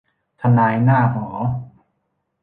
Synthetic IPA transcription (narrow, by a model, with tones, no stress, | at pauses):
t̪ʰa˧naː˧jnaː˥˩ɦɔː˩˦